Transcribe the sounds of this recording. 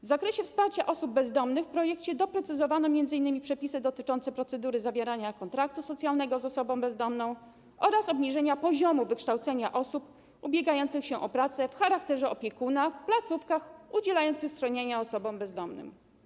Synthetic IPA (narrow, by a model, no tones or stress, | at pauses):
vzakɾɛɕɛfspaɾt͡ɕaʔɔsubːɛzd̪ɔmnɘxfpɾɔjɛkt͡ɕɛd̪ɔpɾɛt̪sɘzɔvanɔmʲjɛnzɘinːɘmʲipʂɛpʲisɘd̪ɔt̪ɘt͡ʂɔnsɛpɾɔt̪sɛd̪uɾɘzavʲjeɾaɲakɔnt̪ɾak̚t̪usɔt̪sʲjalnɛɡɔzɔsɔbɔ̃w̃bɛzd̪ɔmnɔ̃w̃ | ɔɾasɔbɲiʐɛɲapɔʑɔmuvɘkʂt̪awt̪sɛɲaʔɔsup | ubʲjeɡajɔnt̪sɘxɕɛʔɔpɾat̪sɛfxaɾak̚t̪ɛʐɛɔpʲjɛkunafplat̪sufkaxud͡ʑɛlajɔnt̪sɘxsxɾɔɲeɲaɔsɔbɔ̃wbɛzd̪ɔmnɘ̰m